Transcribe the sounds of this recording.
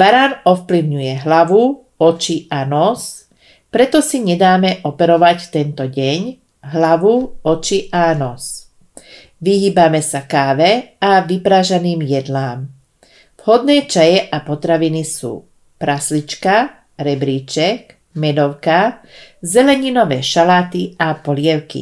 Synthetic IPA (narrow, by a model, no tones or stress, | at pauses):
baɾaːnɔfpliʊɲujɛɦlaʋu | ɔt͡ʃiʔanɔz | pɾɛt̪ɔsiɲɛd̪aːmɛʔɔpɛɾɔʋacft̪ɛnt̪ɔɟɛɲ | ɦlaʋuɔt͡ʃiʔanɔs | ʋiɦiːbamɛsakaːʋɛaʋipɾaːʒaniːmjɛd̪laːm | v̥hɔd̪nɛːt͡ʃajɛʔapɔt̪ɾaʋinisṵː | pɾaslit͡ʃka | ɾɛbɾiːt͡ʃɛk | mɛd̪ɔʊka | zɛlɛɲinɔʋɛːʃalaːt̪iapɔlɪɛʊkḭ